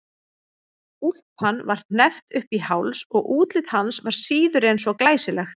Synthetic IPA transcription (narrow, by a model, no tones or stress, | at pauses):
ul̥phanːvaɾ̥nɛft̪ʏhpihawlsɔɣʔuːt̪lɪt̪hansvaɾ̥siːðʏɾejnsvɔklaːjsɪlɛxt̪